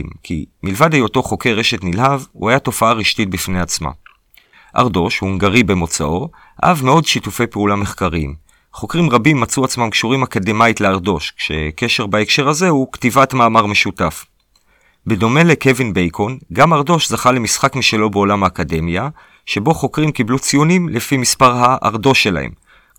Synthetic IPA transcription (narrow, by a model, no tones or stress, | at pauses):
mkʰḭmilvadejo̞to̞χo̞ke̞ʁe̞ʃetnilhavṵhajato̞faaʁiʃtit̚bifne̞at͡sma̰ | ʔa̰ʁdo̞ʃhuŋɡaʁibe̞mo̞t͡sa̰ʔo̞ | ha̰ʔavme̞o̞dʃitufe̞jpeulame̞χkaʁiḭm | χo̞kʁimʁabimːat͡suat͡smamkʃuʁimakademajtleaʁdo̞ʃkʃe̞̰ke̞ʃe̞ʁbaekʃe̞ʁhaze̞huktivatmaːmaʁme̞ʃutaf | be̞do̞me̞le̞ke̞vinbejkʰo̞nɡamaʁdo̞ʃzaχale̞misχakmiʃelo̞beo̞lamhaːkade̞mja | ʃe̞bo̞χo̞kʁimkiblut͡sijonimlefimispaʁhaʔa̰ʁdo̞ʃːe̞la̰hḛm